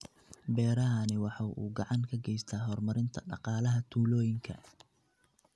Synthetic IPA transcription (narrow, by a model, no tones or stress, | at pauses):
bɛːɾɐɦɐnɪwɑħɑwʔṵːɡɑʕɑŋkʰɐɡɛjst̪ʰaːɦɔrmɐɾɪnt̪ʰɐɖɑ̰qɑːlɐɦɐt̪ʰuːlɔːjɪŋkʰɐ̰